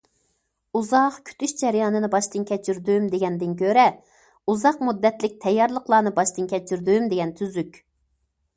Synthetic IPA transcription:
uzɑqkʲʰy̥t̪ʰyʃd͡ʒɛɾjɑːnɨnɨbɑʃt̪ɨnkʲʰɛt͡ʃʰyɾd̪ywymd̪eɡʲɛnd̪ɪnkʲʰøɾɛ | uzɑqmud̪ːɛt̪lɪk̚ʲt̪ʰɛjːɑɾlˠəqlˠɑːnɨbɑʃt̪ɨnkʲʰɛt͡ʃʰyɾd̪ywymd̪eɡʲɛnt̪ʰyzykʲ

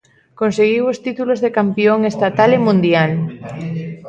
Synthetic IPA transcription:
konseɣiwost̪it̪ulozðekampjoŋest̪at̪alemũnd̪jal

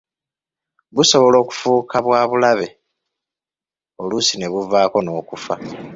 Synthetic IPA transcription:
βuso̞βolo̞ːku̥fuːkʰaβwaːβulaβe̞ | o̞lusine̞βuvaːko̞no̞ːkufa

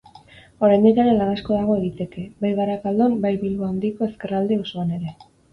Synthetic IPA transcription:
o̞ɾajnd̪ikaɾelanasko̞ðaɣ̞o̞e̞ɣit̪e̞ke̞bajɣaɾakald̪o̞mbajβilβoand̪iko̞e̞ske̞rald̪eosoane̞ɾe̞

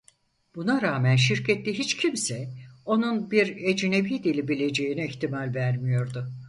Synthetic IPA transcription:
b̥unaɾaːmænʃ̬iɾcɛt̪liɦit͡ʃcʰimsɛo̞nunbiɾed͡ʒine̞biːd̪ilʲibilʲe̞d͡ʒe̞jinɛiçt̪ʰimalʲvæɾmijo̞ɾd̪ʊ

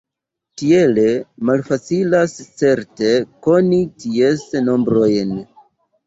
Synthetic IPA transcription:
tie̞le̞malfat͡silast͡se̞ɾte̞ko̞nitiesno̞mbɾo̞jn

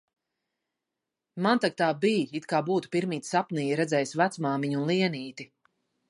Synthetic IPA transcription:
mant̪ak̚t̪aːbiːit̪kaːbuːt̪u̥piɾmiːt̪sapniːjɾɛd̪zɛːjsvæt̪smaːmiɲunlˠiɛniːt̪i

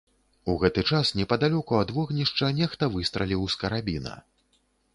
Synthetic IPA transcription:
uɣɛt̪ɨt͡ʂasnʲɛpɐd̪alʲɔkuɐd̪vɔɣnʲiʂt͡ʂɐnʲɛxt̪ɐvɨst̪ɾɐlʲiwskɐɾabʲinɐ̰

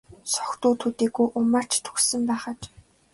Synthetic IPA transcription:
sɔ̥xt̪uːt̪ʰut̪iːɡujʔʊmar̥t͡ɕt̪ʰu̥xsɘ̆mpæːχə̆t͡ɕ

